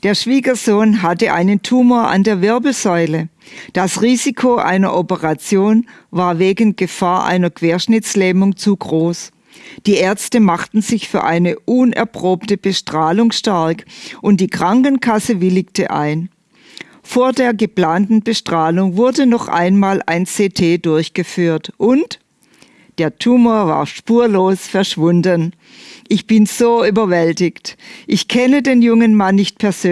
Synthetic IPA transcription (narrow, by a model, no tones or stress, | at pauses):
d̥eːɐʃv̥iːɡɐzoːnɦatəʔa̰ɪnəntʰuːmoɐʔa̰ndeːɐvɪɐbl̩z̥ɔʏləd̥asʁiːzikʰoʔa̰ɪnɐ̰ʔɔpəʁat͡sjoːn | vaːɐveːɡn̩ɡ̥əfaːɐʔa̰ɪnɐkv̥eːɐʃnɪt͡slɛːmʊŋt͡suɡʁoːs | d̥iːʔɛɐt͡stəmaχtn̩zɪçfyːɐʔaɪnəʔuːnʔɛ̰ɐpʁ̥oːp̚təb̥əʃtʁ̥aːlʊŋʃtaɐkʔʊnt̚d̥iːkʁ̥aŋkn̩kʰasəvɪlɪktə̰ʔa̰ɪn | foːɐdeːɐɡəpl̥aːntn̩bəʃtʁ̥aːlʊŋvʊɐdənɔχʔa̰ɪnmaːlʔa̰ɪnt͡seːtʰeːdʊɐçɡ̥əfyːɐtʔʊnt | d̥eːɐtʰuːmoːɐva̰ːɐʃpuːɐloːsfɛɐʃv̥ʊndən | ʔɪçb̥ɪnz̥oːʔyːbɐvɛltɪçtʔɪçkʰɛnədeːnjʊŋənmanːɪçt̚pʰɛɐzøː